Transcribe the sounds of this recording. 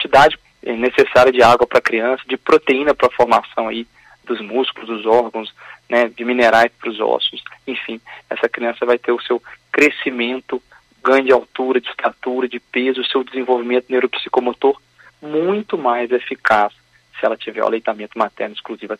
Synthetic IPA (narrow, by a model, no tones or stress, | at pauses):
kt͡ʃid̪ad͡ʒɪ | ɛnesesaɾiɐd͡ʒɪaɡwɐpɾɐkɾiɐ̃sɐd͡ʒɪpɾot̪eĩnɐpɾɐfoɾmasɐ̃w̃ɐi | d̪ʊzmuskʊlʊzd̪ʊzɔɾɡɐ̃w̃snɛd͡ʒɪmineɾajspɾʊzɔ̰sʊsẽfĩɛ̰sɐkɾiɐ̃sɐvajt̪eɾʊsewkɾesimẽnt̪ʊ | ɡɾɐ̃d͡ʒɪawt̪uɾɐd͡ʒɪst̪at̪uɾɐd͡ʒɪpezʊːsewd͡ʒɪzẽvowvimẽnt̪ʊnewɾopsi̥komot̪oɾ | mũj̃t̪ʊmajzefikas | sɪɛlɐt͡ʃivɛ̰ɾw̰lejt̪amẽnt̪ʊmat̪ɛɾnʊiskluzivɐ